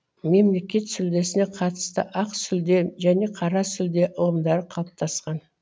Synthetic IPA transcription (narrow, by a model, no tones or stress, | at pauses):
me̞mle̞kʲe̞t̪sʏld̪e̞sɪne̞qʰɑt̪ə̥st̪ə̰ʔɑqsʏld̪e̞ʒæne̞qʰɑɾɑsʏld̪e̞ʔʊlˠəmd̪ɑɾəqʰɑlˠəp̚t̪ʰɑsqɑn